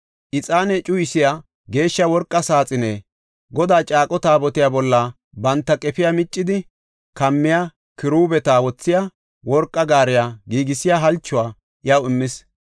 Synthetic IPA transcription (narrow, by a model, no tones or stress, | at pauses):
ʔɪt͡sʼaːnɛt͡ʃʼʊjɪsɪja | ɡe̞ːʃːɐwɔɾkʼːɐsaːt͡sʼɪneː | ɡɔd̪aːt͡ʃʼaːkʼɔt̪aːbɔt̪ɪjaːbɔlːɐ | bɐnt̪ːɐkʼɛpɪjamɪt͡ʃʼːɪd̪ɪ | kɐmːɪja | kɪɾuːbɛt̪aːwɔt͡sːɪja | wɔɾkʼːɐɡaːɾɪjaːɡiːɡɪsɪjaːɦɐlt͡ʃːʊwaː | ʔjɐwɪmːɪs